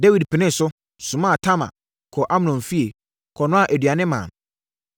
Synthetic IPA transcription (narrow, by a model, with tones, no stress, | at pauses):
de˦wi˨dpʰɪ˨nɪ̃˦n̩˨sʊ˦ | sʊ̃˨mã˦˨tʰa˦ma̰˨ | kʰɔ˨ʔa˦m˨nɔ̃˨fi˦e˨ | kʰɔ˨nʊ̃˦a˨ʔæ˨dɥa˨nɪ̃˦mã̰˨n